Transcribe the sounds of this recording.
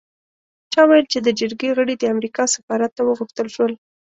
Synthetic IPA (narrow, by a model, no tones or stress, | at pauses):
t͡ʃɑwajəlt͡ʃed̪əd͡ʒəɾɡeɣəɽid̪əamɾikɑsɪ̥fɑɾat̪ːawəɣuxt̪əlʃwəl